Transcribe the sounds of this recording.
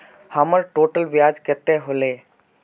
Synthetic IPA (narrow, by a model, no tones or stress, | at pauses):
həməɾʈoːʈəlʋjaːd͡ʒkət̪eɦole